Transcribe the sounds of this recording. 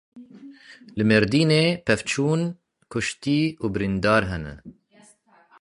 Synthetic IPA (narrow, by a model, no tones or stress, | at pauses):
lɨmeɾd̪iːneːpʰɛft͡ʃʰuːn | kʰʊʃt̪iːuːbɨɾind̪ɑːɾɦɛnɛ̰